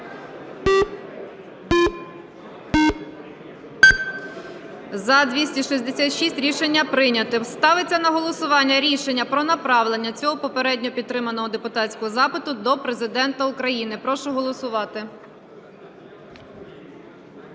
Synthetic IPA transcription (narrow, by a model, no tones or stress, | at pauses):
zɐd̪ʲʋʲisʲtʲiʃisʲd̪esʲat̪ʃisʲtʲɾʲiʃenʲːɐpɾɪnʲɐt̪ɪwst̪ɑʋɪt͡sʲːɐnɐɦɔlˠɔsʊʋɑnʲːɐɾʲiʃenʲːɐpɾɔnɐpɾɑʋlˠenʲːɐt͡sʲɔɦɔpɔpeɾɛdʲnʲɔpʲid̪̚t̪ːɾɪmɐnɔɦɔd̪epʊt̪ɑtt͡sʲsʲkɔɦɔzɑpɪt̪ʊd̪ɔpɾezɪd̪ɛnt̪ɐʊkɾɐjinɪpɾɔʃʊɦɔlˠɔsʊʋɑt̪ɪ